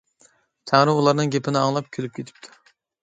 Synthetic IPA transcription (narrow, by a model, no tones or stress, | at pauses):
t̪ʰæŋɾɪulˠɑɾnɨŋɡʲepʰɪnɪɑŋlˠɑp̚kʲʰølyp̚kʲet̪ʰɪ̥p̚t̪ʰʊ